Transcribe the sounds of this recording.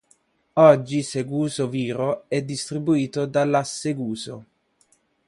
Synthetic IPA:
ɔd͡ʒːiseɡuːzoviːɾoɛd̪ːist̪ɾibuiːt̪od̪alːasːeɡuːzo

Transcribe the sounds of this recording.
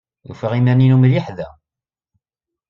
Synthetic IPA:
jṵfæʁimæninumliħðæ

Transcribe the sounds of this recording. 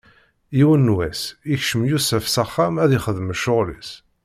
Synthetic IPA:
iwənːwæsiçʃəmjusæfsæχːæmæðiχəðəməʃːʊʁlḭs

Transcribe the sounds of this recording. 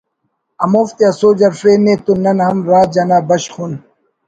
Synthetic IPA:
ɐmoːft̪iɐsoːd͡ʑɐɾfɾeːneːt̪unɐnhɐmɾaːt̪̚d͡ʑɐnaːbɐɕxun

